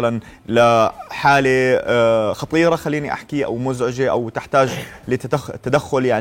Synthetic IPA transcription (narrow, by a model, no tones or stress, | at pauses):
alan | laħaːle | xɑt̪ˤiːɾaxalːiːniʔa̰ħkiʔa̰wmʊzʕɪd͡ʒeʔa̰wt̪ɪħt̪aːd͡ʒlɪt̪at̪ːad̪axːʊljaʕ